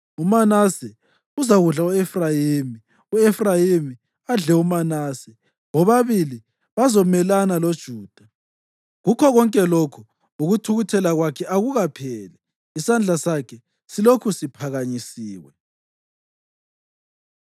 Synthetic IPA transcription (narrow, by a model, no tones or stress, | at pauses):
umanasɛ | uzaɣuɮauefrajimi | uefrajimi | aɮɛumanaːsɛ | ɣɔβaβili | βazɔmɛlanalod̥ʒ̥ʱuːd̥ʱa | ɣukʰɔɣɔŋkʼɛlokʰu | uɣutʰuɣutʰɛlaɣwakʰɛʔaɣuɣapʰɛːlɛ | isand͡ɮʱasakʰɛ | silokʰusipʰaɣaɲisiːɣwɛ